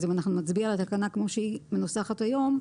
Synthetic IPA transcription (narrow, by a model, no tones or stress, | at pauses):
zimanaχnumat͡sbialat̪akanakmo̞ʃeimenusaχat̪ajo̞m